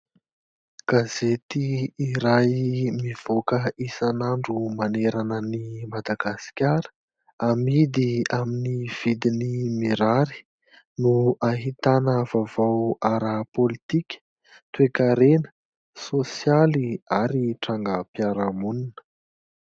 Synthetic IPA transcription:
ɡ̥azet̪iːɾajmiv̥okəisanaɳɖ͡ʐumaneɾanənimad̪aɡasi̥kʲaɾə̥ | amid̪iaminiv̥id̪inimiɾaɾi̥ | nuaɦit̪anəvavawaɾəpolit̪ikʲə̥ | t̪uekaɾenə̥ | sosjaliaɾiʈ͡ʂaŋɡəpjaɾamuninə̥

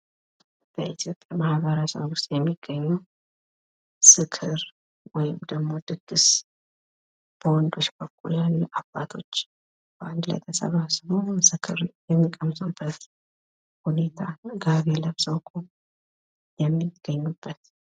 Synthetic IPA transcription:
b̥əʔit̪ʰjo̞pʼjamahβəɾəsə̰βwʊst̪ʼjɛmːiɡ̥ːəɲːuw | sɨkʰɨɾ | wɔjɪmd̪əɡmo̞d̪ɨɡ̥ːɨs | b̥əwɔnd̪o̞t͡ʃːbəkʰʼːuljalːuʔab̥ːat̪ʰo̞̰t͡ʃː | b̥ʔand̪lə̰t̪ʰəsə̰βasβosɨkʰɨɾjɛmːikʼəmzʼəbət̪ | hune̞t̪ʰanɡaβe̞ləβzəwkʰʼu | jɛmːiɡ̥ːəɲːubːət̪

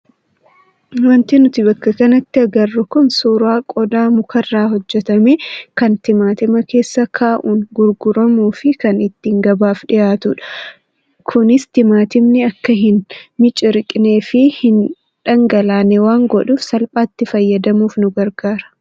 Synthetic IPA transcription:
wɐnt̪iːnʊt̪ɪbɐkːɐkɐnɐt̪ːɪɐɡɐrːʊkʊnsuːɾaːkʼɔd̪aːmʊkɐrːaːhɔd͡ʒːɛt̪ɐmeːkɐnt̪ɪmaːt̪ɪmɐke̞ːsːɐkʰaːʔuːnɡʊɾɡʊɾɐmuːfɪkɐnɪt̪ːiːŋɡɐbaːfᶑɪjaːt̪ʊᶑɐ̥ | kʰʊnɪst̪ɪmaːt̪ɪmnɪɐkːɐɦɪnmɪt͡ʃʼɪɾɪkʼne̞ːfɪhɪn | ᶑɐŋɡɐlaːnɛwaːŋɡɔᶑuːfsɐlpʼaːt̪ːɪfɐjːɐd̪ɐmuːfnʊɡɐɾɡaːɾɐ̥

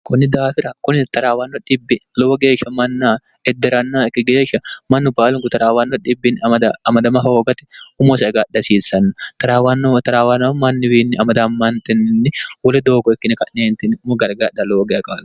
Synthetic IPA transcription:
kʊnːɪd̪aːfɪɾɐkʊnt̪ɐɾaːwɐnːɔᶑɪbːɪlɔwɐɡeːʃɐmɐnːaː | ɛd̪ːɛɾɐnːaːɛkːɪɡeːʃɐmɐnːʊbaːlʊŋɡʊt̪ɐɾaːwɐnːɔᶑɪbːɪnɐmɐd̪ɐɐmɐd̪ɐmɐɦoːɡɐt̪ɛ̥ʊmɔsɐɡaːdɐsiːsɐnːɐt̪ɐɾaːwɐnːot̪ɐɾaːwɐnːɐmɐnːɪwiːnːɪʔɐmɐd̪amːɐnt̪ɛnːɪnːɪwɔlɛd̪oːɡɔɛkːɪnɪkɐʔneːnt̪ɪnːɪʊmɔɡɐɾɡaːᶑɐlɔwɔɡɛkʼaːl

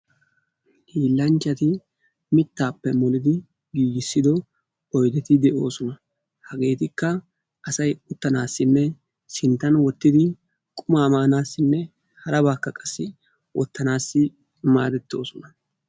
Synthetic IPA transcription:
iːlːɐnt͡ʃːɐt̪ɪ | mɪt̪ːaːpːɛmɔlɪd̪ɪ | ɡiːɡɪsːɪd̪ɔ | ɔjd̪ɛt̪ɪd̪ɛʔo̞ːsɔnɐ | hɐɡe̞ːt̪ɪkːɐ | ʔɐsɐjʊt̪ːɐnaːsːɪnːɛ | sɪnt̪ːɐnwɔt̪ːɪd̪ɪ | kʼʊmaːmaːnaːsːɪnːɛ | hɐɾɐbaːkːɐkʼɐsːɪ | wʔɔ̰t̪ːɐnaːsːɪ | ma̰ːd̪ɛt̪ːo̞̰ːsɔnɐ

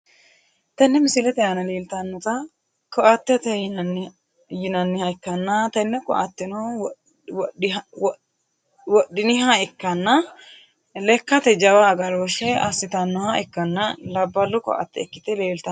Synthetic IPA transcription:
t̪ɐnːɛmɪsɪlɛt̪ɛjɐnɐleːlt̪ɐnːɔt̪ɐ | kɔʔɐt̪ːɛt̪ɛ | jɪnɐnːɪhɐɪkːɐnːɐt̪ɐnːɛkɔ̰ʔɐ̰t̪ːɪnɐ | wɗwɔ | wɔɗːɪnɪɦɐɛkːɐnːɐ | lɛkːɐt̪ɛd͡ʒɐwaːɡɐɾoʃɛɐsːɪt̪ɐnːɔhɐɛkːɐnːɐlɐbːɐlːʊkɔ̰ʔɐ̰t̪ːɛɛkːɪt̪ɛleːlt̪ɐ

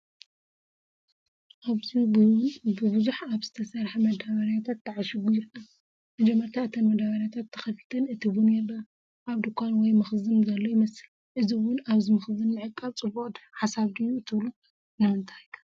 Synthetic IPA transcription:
ʔaβzi | bɨbɨzuħaβz̥ɨt̪ʰɐsɐɾħemɐd̪aβɐɾjat̪ʰat̪ːɐʕaʃɪɡujɪɾkʼa | mɐd͡ʒɛmːɐɾt̪ʰat̪ʰɐnmɐd̪aβɐɾjat̪ʰat̪ʰːɐ̥xɐfɨ̥t̪ʰɐnɨt̪ʰiβunɛlːɐ | ʔaβd̪ɨkʷʰːanwɔjmɐxzɨnzɐlːojɪmɐsɨl | ʔɨziwʊnaβzimɐxzɨnːɨʕɨkʼːaβt͡sʼɨboʔʼd̪ħasaβd̪ijut̪ʰɨβlu | nɨmɨnt̪ʰajkʰḁ

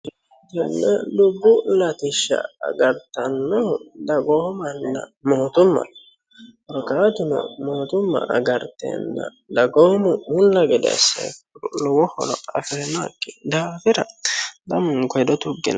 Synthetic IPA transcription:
d͡ʒɛnːɛdʊbːʊlɐt̪ɪʃːɐ̰ːɡɐɾt̪ɐnːɔd̪ɐɡoːmɐnːɐ̰moːt̪ʊmːɐ̰ | ɔɾkaːt̪ɪnɔ̰moːt̪ʊmːɐ̰ʔɐɡɐɾt̪ɛ̰nːɐ̰ | d̪ɐɡoːmʊʊnːɐɡɛd̪ɛ̰sːɐ̰kʊɾlɔwɔhɔ̰lɔɐfenakːɪd̪aːfɪɾɐd̪ɐmʊŋkɔjd̪ɔt̪ʊɡːɪ̰n

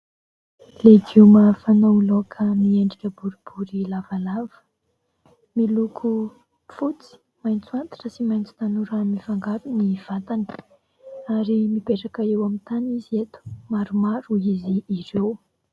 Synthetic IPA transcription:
leɡumafanoulokʰəmieɳɖ͡ʐikʲəbuɾib̥uɾilavalavə̥ | milukʰu | fut͡si̥ | majnt͡suant̪i̥ʈ͡ʂəsimajnt͡si̥t̪anuɾamivaŋɡaɾuniv̥at̪ani̥ | aɾimibeʈ͡ʂakaewamint̪aniziet̪u̥maɾumaɾuiziːɾew

